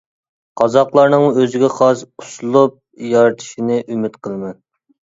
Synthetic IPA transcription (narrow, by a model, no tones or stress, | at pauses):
qʰɑzɑqlˠɑɾnɨŋøzɪɡʲɛχɑʃusulˠup̚ | jɑɾt̪ʰʃinɪʔymɪt̪qʰəlˠmɨ